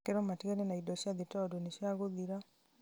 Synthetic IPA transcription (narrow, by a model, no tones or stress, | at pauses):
keɾomateɾenaidɔʃad̪itɔdoniʃjaɡod̪iɾa